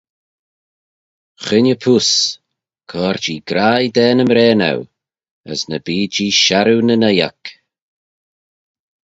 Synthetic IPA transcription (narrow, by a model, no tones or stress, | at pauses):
xɪnəpʰus | kʰɔːɾd͡ʒiːɡɾajd̪ɛːnəmɾɛːna̰w | ə̰snəbiːd͡ʒiːʃaɾunənɛja̰k